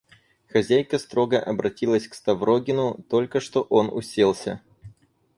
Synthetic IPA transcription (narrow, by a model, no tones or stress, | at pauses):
xɐzʲæjkəst̪ɾo̞ɡəʔɐbɾɐtʲilˠəsʲkst̪ɐvroɡʲɪnʊt̪o̞lʲkəʂt̪o̞ʔo̞nʊ̰sʲelˠsʲə